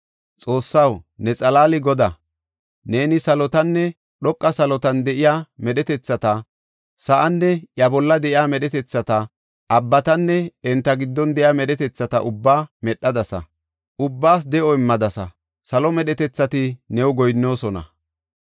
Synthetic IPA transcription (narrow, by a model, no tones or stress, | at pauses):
t͡sʼo̞ːsːɐwnɛt͡sʼɐlaːlɪɡɔd̪a | ne̞ːnɪsɐlɔt̪ɐnːɛ | ɗɔkʼːɐsɐlɔt̪ɐnd̪ɛʔɪjaːmɛɗɛt̪ɛt͡sːɐt̪ɐ | sɐʔɐnːɛʔjɐbɔlːɐd̪ɛʔɪjaːmɛɗɛt̪ɛt͡sːɐt̪ɐ | ʔɐbːɐt̪ɐnːɛɛnt̪ːɐɡɪd̪ːɔnd̪ɛjaːmɛɗɛt̪ɛt͡sːɐt̪ɐʔʊbːaːmɛɗːɐd̪ɐsɐ̰ | ʔʊbːaːs̬d̪ɛʔɔɪmːɐd̪ɐsɐ̰ | sɐlɔmɛɗɛt̪ɛt͡sːɐt̪ɪnɛwɡɔjnːo̞ːsɔnɐ̰